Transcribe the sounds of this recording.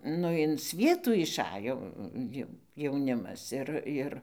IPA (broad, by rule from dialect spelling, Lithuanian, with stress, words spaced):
ˈnʊ ɪn ˈsʲʋʲiɛtuː ɪʃˈɑːjoː ˈjɛʊ jɛʊˈnʲɪmɐs ˈɪr ˈɪr